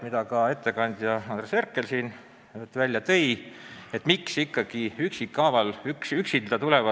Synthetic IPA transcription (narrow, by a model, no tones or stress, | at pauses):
mid̪̥ɑkɑe̞t̪ːe̞kɑnʲd̪̥jɑɑnd̪reserkːˑe̞lsiːn | t̪ːvælʲjɑt̪eje̞t̪ːˑmiksikːɑɡ̥iyksikːɑːvɑlyksyksit̪d̪̥ɑt̪ule̞vɑ